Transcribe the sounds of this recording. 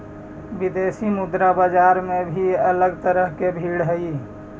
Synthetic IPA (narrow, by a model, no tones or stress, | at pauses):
ʋid̪esimud̪ɾabəd͡ʒaɾmebʱiələɡt̪əɾəɦkebʱiɽɦəi